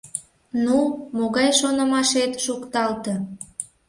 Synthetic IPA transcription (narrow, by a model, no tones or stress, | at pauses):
numoɣɑjʃonəmɑʃet̪ʃukt̪ɑlt̪ə